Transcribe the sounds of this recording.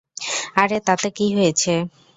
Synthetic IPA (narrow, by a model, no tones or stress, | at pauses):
aɾet̪at̪ekiɦojet͡ɕʰe